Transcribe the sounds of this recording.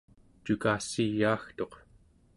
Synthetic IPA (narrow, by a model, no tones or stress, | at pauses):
t͡ʃukaːsijːaːxt̪o̞q